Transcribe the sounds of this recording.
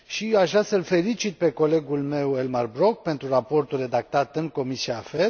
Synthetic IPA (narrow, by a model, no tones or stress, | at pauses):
ʃiaʃvɾasəlfe̞lit͡ʃit̪̚pe̞ko̞le̞ɡulme̞welmarbɾo̞k̚pe̞nt̪ɾurapo̞rt̪ulre̞d̪ak̚t̪at̪ɨŋko̞misiafe